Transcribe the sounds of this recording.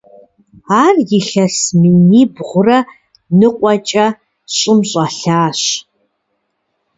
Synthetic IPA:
aːrjɪɬɐsminiːbʁʷʊrɐ | nɨqʷʼɔt͡ʃʼɐ | ɕʼɪmɕʼɐɬaːɕ

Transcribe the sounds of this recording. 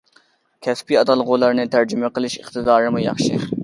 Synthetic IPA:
kʲʰɛspiɑd̪ɑlˠʁolɑɾnɨt̪ʰæɾd͡ʒumeqəlˠɪʃɪ̰χt̪ɨd̪ɑːɾɨmɨjɑ̰χʃi

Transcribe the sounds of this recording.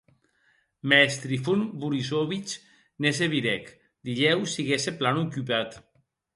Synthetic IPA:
mɛst̪ɾifunbuɾizoβit͡ʃ | nes̬eβiɾɛk | d̪iʎɛwsiɣeseplanukypat̪

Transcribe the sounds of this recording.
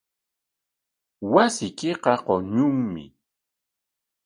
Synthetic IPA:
wasɪkɪqɑqoɲʊŋmɪ̰

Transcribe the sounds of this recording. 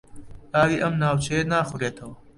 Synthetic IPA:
ʔaːwiːʔɐmnaːwt͡ʃʰɐjenaːxuɾeːt̪ʰɐwɐ

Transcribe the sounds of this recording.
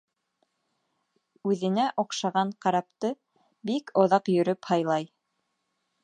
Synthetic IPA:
ʉðɘ̆næʔŏqʃɑʁɑɴqɑɾɑp̚t̪ɤ | bikʰŏðɑqjɵ̆ɾɵphɑjlˠɑj

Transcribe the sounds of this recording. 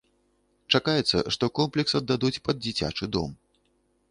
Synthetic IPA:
t͡ʂakajɛt̪sːɐ̰ʂt̪ɔkɔmplʲɛksɐd̪ːad̪ut͡sʲpɐd̪̚d͡zʲit͡sʲa̰t͡ʂɨd̪ɔ̰m

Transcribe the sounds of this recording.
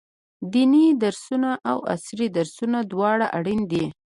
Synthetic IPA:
d̪inid̪aɾsunaʔawa̰sɾid̪aɾsunad̪wɑɽaʔaɽind̪i

